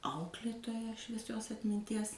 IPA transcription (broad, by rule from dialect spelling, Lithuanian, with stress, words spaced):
ˈɐʊklʲeːtoːjɛ ʃʲʋʲiɛˈsʲoːs ɐtʲmʲɪnʲˈtʲiɛs